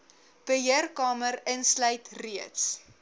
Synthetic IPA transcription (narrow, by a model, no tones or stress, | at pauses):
b̥əɦiərkɑːməɾənsləjtriəts